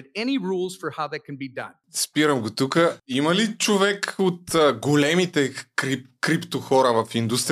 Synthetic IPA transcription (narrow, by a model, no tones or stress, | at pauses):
ɾɛniɹulˠz̥fə˞haʊðɨt̚kʰnbidʌ̰̃n | spiɾəmɡot̪ukəiməlit͡ʃovɛkot̪əɡolɛmit̪ɛkɾipkɾipt̪oxɔɾəvɐfind̪ust̪ɾ